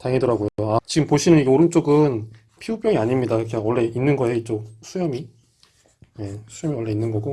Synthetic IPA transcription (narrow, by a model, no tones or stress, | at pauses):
taŋedʌɾaɡojoat͡ɕiɡɯmpoɕʰinɯniɡeoɾɯnt͡ɕ͈oɡɯn | pʰiup͈jʌŋiaɲimɲidakʰewʌɭːe̞inːɯnɡʌeit͡ɕ͈osʰujʌmi | je̞sʰujʌmiwʌɭːe̞inːɯnɡʌɡo